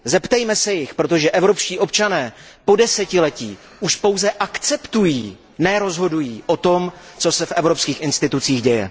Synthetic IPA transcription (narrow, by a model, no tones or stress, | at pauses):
zɛpt̪ɛjmɛsɛjɪxpɾo̞t̪̬o̞ʒɛʔɛvɾo̞pʃciːʔo̞p̚t͡ʃanɛː | po̞dɛsɛcɪlɛciː | uʃpo̞wzɛʔakt͡sɛpt̪ujiː | nɛɾo̞zɦo̞dujiːʔo̞t̪o̞m | t͡so̞sɛfʔɛvɾopskiːxʔɪnst̪ɪt̪ut͡siːxɟɛjɛ̰